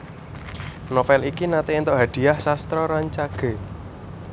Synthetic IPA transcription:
nɔfɛlikinat̪eent̪oʔɦad̪̥i̤ahsast̪ɾɔɾaɲt͡ʃaɡ̥e̤

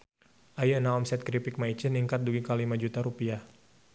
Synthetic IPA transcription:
ʔajənaɔmsɛt̪̚kɾipɪk̚mait͡ʃiniŋkat̪̚duɡikalimad͡ʒut̪aɾupiah

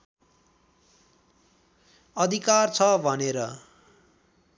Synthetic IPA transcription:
ʌd̪ʱikart͡sʰʌbʱʌneɾʌ

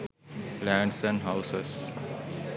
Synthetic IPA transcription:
læ̃ːɳɖsæ̃ɳɖɦaʊses

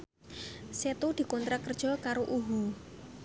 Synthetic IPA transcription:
set̪ud̪̥i̤kɔnt̪ɾakərd̥ʒ̥ɔ̤kaɾoʔuɦu

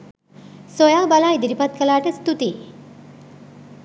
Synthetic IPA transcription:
sojaːbalajd̪iɾipɐt̪̚kəlaːʈəst̪ut̪i

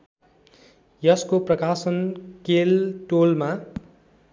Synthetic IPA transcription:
jʌskoprʌkasʌnkelʈolma

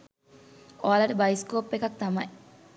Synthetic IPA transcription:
oalɐʈəbajiskoːpːekak̚t̪amɐj

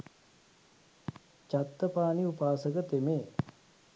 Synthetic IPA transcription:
t͡ʃat̪ːəpaːniupaːsəkət̪emeː

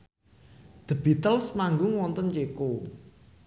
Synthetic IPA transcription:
d̪̥ə̤b̥i̤t̪əlsmaŋɡʊŋwɔnt̪ɔnt͡ʃeko

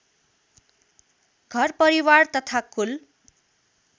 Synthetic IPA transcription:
ɡʱʌrpʌɾiwart̪ʌt̪ʰakul

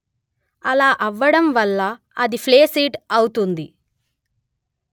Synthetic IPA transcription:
ɐlaːʔɐʋːɐɽɐmʋɐlːɐ | ɐd̪ipʰleːsiːʈɐwut̪und̪i

